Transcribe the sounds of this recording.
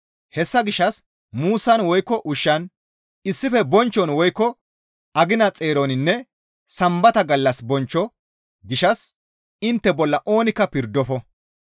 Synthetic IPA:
hɛsːɐɡɪʃɐs | muːsɐnwɔjkːɔʔʊʃːɐn | ɪsːɪfɛbɔnt͡ʃːɔnwɔjkːɔ | ɐɡɪnɐt͡sʼe̞ːɾonɪnːɛ | sɐmbɐt̪ɐɡɐlːɐsbɔnt͡ʃːɔ | ɡɪʃɐs | ɪnt̪ːɛbɔlːɐʔo̞ːnɪkːɐpɪɾd̪ɔfɔ

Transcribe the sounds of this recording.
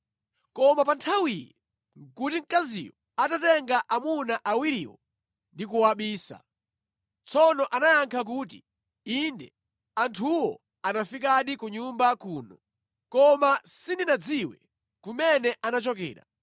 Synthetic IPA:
kɔmapantʰawijɛ | ŋ̩kutiŋ̩kazḭjɔ | atatɛŋɡaʔamunaʔawiɾiːwɔ̰ | ndik̬uwaɓiːsa̰ | t͡sɔnɔʔanajaŋkʰak̬uːti | indɛ | antʰuwɔ̰ | anafik̬aɗikuɲumbakuːnɔ | kɔmasindinad͡ziwɛ̰ | kumɛnɛʔanat͡ʃɔkɛ̰ːɾa̰

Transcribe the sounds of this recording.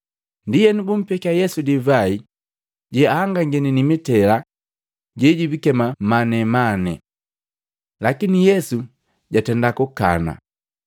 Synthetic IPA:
ndijɛnibum̩pɛkajɛsudivai | ɟɛaːŋɡaŋɡɛninimitɛla | ɟɛɟibikɛmamanɛmanɛ | lakinijɛsu | ɟatɛndakuka̰na̰

